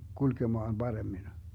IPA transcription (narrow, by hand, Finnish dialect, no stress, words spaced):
kulkemɑːn b̥ɑremːin